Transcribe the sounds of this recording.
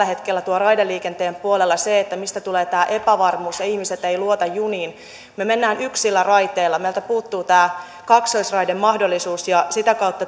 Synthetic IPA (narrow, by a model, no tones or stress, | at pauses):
æhet̪kelːæt̪uorɑidelːiːkent̪eːmpuolelːɑseet̪ːæmist̪æt̪uleːt̪æːʔepæʋɑrmuːsjɑihmiset̪eiluot̪ɑjjuniːn | memenːæːnyksilːærɑit̪eːlːɑmejlt̪æpuːt̪ːuːt̪æː | kɑksoisrɑidemmɑhdolːisuːsjɑsit̪ækɑut̪ːɑ